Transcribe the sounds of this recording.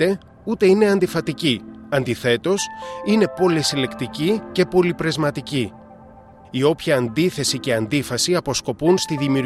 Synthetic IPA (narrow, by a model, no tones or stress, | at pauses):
e̞ | ut̪e̞ine̞ɐnd̪ifɐt̪iciɐnd̪iθe̞t̪o̞sine̞po̞lisile̞kt̪icice̞po̞lipɾe̞zmɐt̪ici | io̞pçɐːnd̪iθe̞sice̞ɐnd̪ifɐsiɐpo̞sko̞punst̪iðimiu